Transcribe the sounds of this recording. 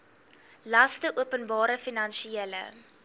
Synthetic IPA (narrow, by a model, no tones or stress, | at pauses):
lɐstəʔuəpənbɑːɾəfinɐnsielə̰